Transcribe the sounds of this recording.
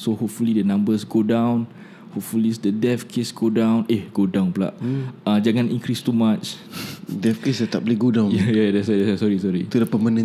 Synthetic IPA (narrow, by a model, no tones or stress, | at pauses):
sohop̚fulidənãmbəsɡodãw̃n | hop̚fulisdədɛfkʰesɡodãw̃nehɡodãwnpla̰ʔad͡ʒaŋãnĩŋkɾist̪umat͡ʃ | dɛfkesdət̪ableɡodãwnjajadɛsadɛssɔɹisɔɹit̪udəpəmanə̃